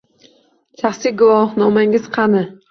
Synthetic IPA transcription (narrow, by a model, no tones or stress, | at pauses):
ʃʰaχsiɡʊwɒhnɒmaŋɪz̥qʰɑnɪ